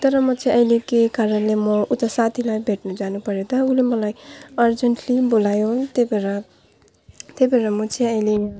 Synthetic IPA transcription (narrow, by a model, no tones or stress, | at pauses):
t̪ʌɾʌmʌt͡sʰʌ̃ĩʌjlekekaɾʌnlemʌut̪ʌsat̪ʰilajbʱeʈnud͡zanupʌɾjeot̪ʌulemʌlajʌrd͡zʌɳʈlibolajot̪ebeɾʌ | t̪ebʱeɾʌmʌt͡sʰʌ̃ʌjle